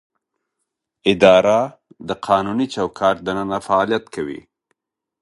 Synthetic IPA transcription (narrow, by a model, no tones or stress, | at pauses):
ɪd̪ɑɾa | d̪əqʰɑnunit͡ʃawkʰɑɾ̚d̪ənənafaːlijat̪kʰawḭ